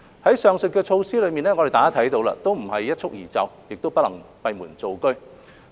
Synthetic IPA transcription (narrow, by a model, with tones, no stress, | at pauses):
hɐ˨˥jsœː˨˧ŋsɵ˨t̚kɛː˧t͡ʃʰo˧wsiː˥lɵ˨˧ɥmiː˨nɛː˥ŋɔ˨˧ɾe˨jt̪aː˨˥a˥t̪ʰjt̪o˨˧wla̰˧t̪o˥wm̩˨˩hɐ˨jːɐ˥t̚t͡ʃʰʊ˥k̚jiː˨˩t͡sɐ̰˨˧wjɪ˨k̚t̪o˥wpɐ˥t̚lɐ˨˩ŋpɐ˧jmuː˨˩nt͡so˨˧wkɵ˥ɥ